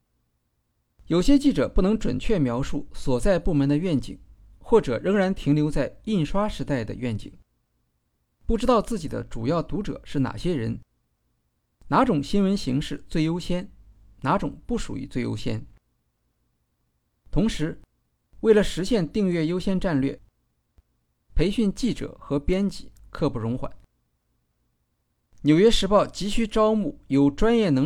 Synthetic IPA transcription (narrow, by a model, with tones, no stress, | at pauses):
jo˨˩ʊɕjɛ˥t͡ɕi˥˩ʈ͡ʂɤ̰˨˩pu˥˩nɤ˧˥ŋʈ͡ʂwə̰˨˩nt͡ɕʰɥɛ˥˩mjɑ˧˥ʊʂu˥˩swɔ˨˩t͡sa˥˧ɪpu˥˩mə˧˥nd̪ə˧ɥɛ˥˩nt͡ɕḭ˨˩˦ŋ | xwɔ˥˩ʈ͡ʂɤ̰˨˩ɻɤ˧˥ŋɻa˧˥nt̪ʰi˧˥ŋljo˧˥ʊt͡sa˥˧ɪi˥˩nʂwa˥ʂɻ̩˧˥t̪a˥˩ɪd̪ə̰˩ɥɛ˥˩nt͡ɕḭ˨˩˦ŋ | pu˥˩ʈ͡ʂɻ̩˥t̪ɑ˥˧ʊt͡sɹ̩˥˩t͡ɕi˨˩d̪ə̰˦ʈ͡ʂu˨˩jɑ˥˩ʊt̪u˧˥ʈ͡ʂɤ̰˨˩˦ʂɻ̩˥˩na̰˨˩ɕjɛ˥ɻə˧˥n | na˧˥ʈ͡ʂʊ˨˩ŋɕi˥nwə˧˥nɕi˧˥ŋʂɻ̩˥˧t͡swe˥˩ɪjo˥ʊɕjɛ˥n | na˧˥ʈ͡ʂʊ̰˨˩˦ŋpu˥˩ʂṵ˨˩ḭ˧˥t͡swe˥˩jo̰˥ʊɕjɛ̰˥n | t̪ʰʊ˧˥ŋʂɻ̩˧˥ | we˥˩ɪlə˩ʂɻ̩˧˥ɕjɛ˥˧nt̪i˥˧ŋɥɛ˥˩jo˥ʊɕjɛ˥nʈ͡ʂa˥˧nlɥɛ̰˥˩ | pʰe˧˥ɪɕy˥˧nt͡ɕi˥˩ʈ͡ʂɤ̰˨˩xɤ˧˥pjɛ˥nt͡ɕḭ˨˩˦kʰɤ˥˧pu˥˩ɻʊ˧˥ŋxwa̰˨˩˦n | njo˨˩ʊɥɛ˥ʂɻ̩˧˥pɑ˥˩ʊt͡ɕi˧˥ɕy˥˩ʈ͡ʂɑ˥ʊmu˥˩jo˨˩ʊʈ͡ʂwa˥njɛ˥˩nɤ˧˥